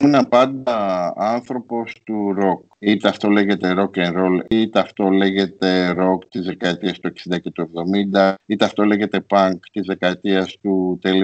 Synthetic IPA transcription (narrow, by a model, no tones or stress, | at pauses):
unɐpɐnd̪ɐɐnθɾo̞po̞st̪uɾo̞k | it̪eɐft̪o̞le̞ʝe̞t̪e̞ɾo̞kenɾo̞lit̪eɐft̪o̞le̞ʝe̞t̪e̞ɾo̞kt̪izðe̞kɐet̪iɐst̪ue̞ksind̪ɐcet̪ue̞vðo̞mind̪ɐit̪eɐft̪o̞le̞ʝe̞t̪e̞pɐŋkt̪izðe̞kɐet̪iɐst̪ut̪eli